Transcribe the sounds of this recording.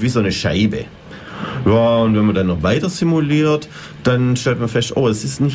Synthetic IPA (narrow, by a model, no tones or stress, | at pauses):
viːzoːnəʃa̰ɪbə̰ | jaːʊntvɛnmɐdanːɔχvaɪtɐzimuliːɐt | d̥anʃtɛltmɐfɛstʔo̰ːɛsɪstnɪç